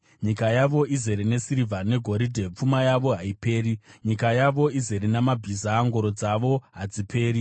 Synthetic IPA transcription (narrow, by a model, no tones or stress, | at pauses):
ɲikajaʋo̞ize̞ɾene̞siɾivʱane̞ɡʱo̞ɾidʱep͡fumajaʋo̞ɦaipe̞ːɾiɲikajaʋo̞ize̞ɾinamabʱizaːŋɡo̞ɾo̞d͡zaʋo̞ɦad͡zipʰe̞ːɾi